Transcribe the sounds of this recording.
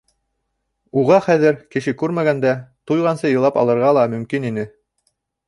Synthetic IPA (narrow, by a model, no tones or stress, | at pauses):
uʁɑχæðɘɾkɘ̆ʃɘkʉɾmæɡænd̪æt̪ujʁɑnsɤjɤ̆lˠɑpɑ̰lˠɤ̆ɾʁɑlˠɑmɵ̆mkininɘ